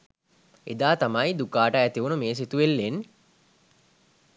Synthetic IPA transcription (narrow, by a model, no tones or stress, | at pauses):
ed̪aːt̪amɐjd̪ukaːʈəæt̪iʋunəmeːs̬it̪uʋelːen